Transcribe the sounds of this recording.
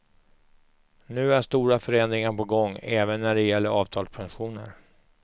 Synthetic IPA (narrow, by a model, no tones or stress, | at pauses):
nʉ̟ːæʂt̪uːɾafœɾɛnd̪ɾɪŋaɾpɔɡɔŋːɛːvənːæɖɛjɛlːəɾɑːvt̪ʰɑːlspʰanɧuːnə̰ɾ